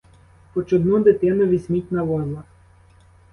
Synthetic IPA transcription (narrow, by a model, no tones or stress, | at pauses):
pɔt͡ʃɔd̪nud̪ɪt̪ɪnɐʋʲisʲmʲitʲnɐʋɔzlˠɐ